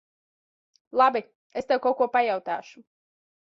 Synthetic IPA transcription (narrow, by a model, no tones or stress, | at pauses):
lˠabi | est̪ɛwkawkuɔpajawt̪æːʃu̥